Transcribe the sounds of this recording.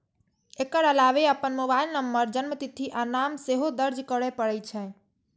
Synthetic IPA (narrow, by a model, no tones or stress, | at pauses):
ekəɾəlaʋeəpənmobailnəmbəɾd͡ʒənmət̪it̪ʰːiʔanamseɦod̪əɾd͡ʒkəɽɛpəɾɛt͡ʃʰɛ̃